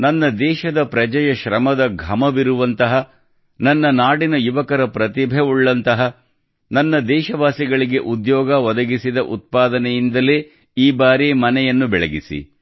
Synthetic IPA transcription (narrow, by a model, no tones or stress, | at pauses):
nɐnːɐd̪ɛːʃɐd̪ɐpɾɐd͡ʒɐjɐʃɾɐmɐd̪ɐɡʱɐmɐʋiɾuʋɐnt̪ɐɦɐ | nɐnːɐnaːɽinɐjuʋɐkɐɾɐpɾɐt̪̬ibʱeuɭːɐnt̪ɐɦɐ | nɐnːɐd̪ɛːʃɐʋaːsiɡɐɭiɡe̞ʔud̪jɔːɡɐʋɔd̪ɐɡisid̪ɐʔut̪̚paːd̪ɐnɛjind̪ɐleː | iːbaːɾiːmɐnɛjɐnːubɛɭeɡisḭ